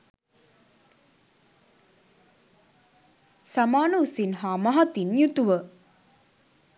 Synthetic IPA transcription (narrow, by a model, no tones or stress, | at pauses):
samaːnəusinɦaːmaɦat̪injut̪uʋə